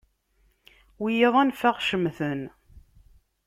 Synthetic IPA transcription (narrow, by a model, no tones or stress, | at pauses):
wijeðˤænfaʁʃəmθən